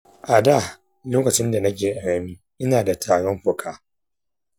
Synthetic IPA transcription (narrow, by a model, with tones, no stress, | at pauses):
ʔa˨da˦˨ | loː˦kɐ˨t͡ʃɪ˦nda˨nɐ˦k̬ʲeː˨ʔa˨ɽɐ˦miː˦ | ʔɪ˦naː˨da˨tʰaː˨ɽɔ˦mɸʊ˨kʰaː˦